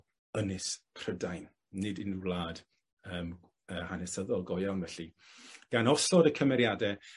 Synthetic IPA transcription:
ənɪskʰr̥ədajnː | ɨdinulˠaːd̥ | əːm | əhanɛsəðɔlˠɡɔjawnvɛɬi | ɡ̥anɔsɔdəkʰəmɛɾjadɛ

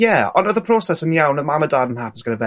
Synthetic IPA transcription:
jɛɔ̰̃nəðəpʰr̥ɔsɛsənjawnəmamədaːdənɦapɪsɡənəbɛ

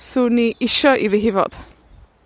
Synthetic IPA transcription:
suːniʔɪʃɔʔiðiɦɪvɔ̰d̥

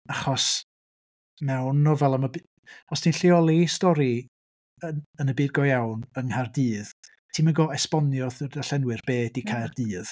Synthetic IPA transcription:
aχɔs | mɛwnːɔvɛlˠaməb | χɔsdʰinɬɪɔlˠistɔɾi | ənənəbiːd̚ɡɔjawnəŋhardɨːð | tʰiːməɡɔɛspɔnjɔðədaɬɛnwɨrb̥eːdikʰajrd̥ɨːð̥

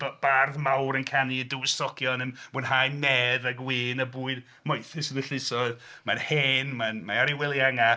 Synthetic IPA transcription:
b̥b̥arðmawɾənkʰanidɪwɪstɔkʰjɔnəmb̥ʊnhajnɛðaɡwɪːnəbuːɨd | mɔjθɪsənəɬɪsɔðmanheːnmanmaaɾɪwɛlˠjaŋa

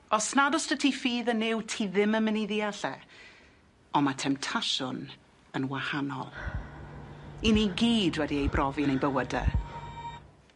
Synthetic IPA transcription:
ɔsnadɔstətʰifiːðənɪwtʰiðɪməməniðiaɬɛ | ɔmatʰɛmptʰaʃʊn | ənwahanɔ̰lˠ | iniɡiːdwɛdiejbrʔɔviənejbəwədɛ̰

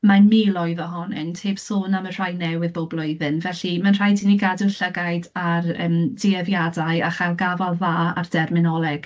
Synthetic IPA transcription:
manmiːlɔjðəɦɔnɪntʰeːb̥soːnamənr̥ajnɛwɨðbowblˠʊɨðɨnvɛɬimanr̥ajdiniɡadənɬəɡajdarə̰mdiɛvjadajaχajlˠɡavalˠðaːa̰rd̥ɛrmɪnɔlˠɛɡ̥

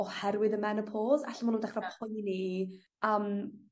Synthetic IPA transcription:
ɔhɛɾwɪðəmɛnəpʰoːza̰ɬamʊnundɛχrapʰʊjni | əːm

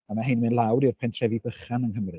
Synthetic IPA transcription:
amaɦejnmɨnlˠawɾirpʰɛntʰrɛvibəχanənɦəmrɨ

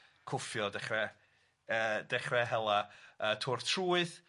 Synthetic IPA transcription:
kʰʊfjɔdɛχrɛ | əːd̥ɛχrɛɦɛlˠaəːtʰʊrtʰruːɨð

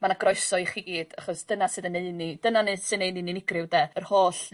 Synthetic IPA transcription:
manaɡrɔjsɔɨχiɡiːd̥aχɔsd̥ənasɨðənejnid̥ənanɨsɨnejnininɪɡrɨwdɛərhoːɬ

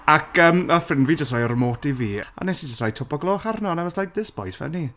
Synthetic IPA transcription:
akʰəːməfɪnviːd͡ʒəstrajɔrmoːtiviːa̰nɛsid͡ʒəstrajtʰɔbɔɡlˠoːχarnɔnɛvɔslajk̚ðɪsb̥ɔ̰jsvɛ̰ni

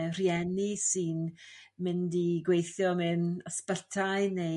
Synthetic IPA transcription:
r̥jɛnisɨnmɪndiɡwejθjɔmɪnəspəɬtʰaɨne

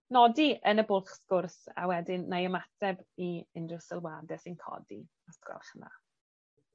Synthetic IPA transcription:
nɔdiʔənəbʊlˠχskʊrsa̰wɛdɪnːajəmatʰɛbiɪndrəsəlˠwadɛsɪnkʰɔ̰dḭ | askwɛ̰lˠχəna̰

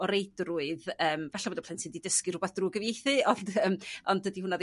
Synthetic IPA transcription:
ɔɾejdrʊɨðəːmvɛɬaodɔpʰlɪntsɨndidəskɨrʊbaθd̥ruːɡəvjejθɨɔndəmɔndədihʊnað

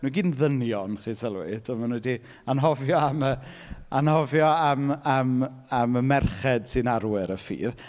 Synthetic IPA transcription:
nuɡiːnðənjɔnχiːsɛlˠwɪ̰tʰɔmanudi | anɦɔvjɔamə | a̰nhɔvjɔəməm | aməmɛrχɛd̥sɪnaɾwɪɾəfḭːð

